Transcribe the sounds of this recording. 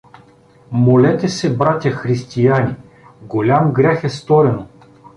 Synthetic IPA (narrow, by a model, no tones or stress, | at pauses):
molɛt̪ɛsɛbɾat̪ʲjaxɾist̪ijani | ɡolʲamɡɾʲɛxɛst̪ɔɾɛno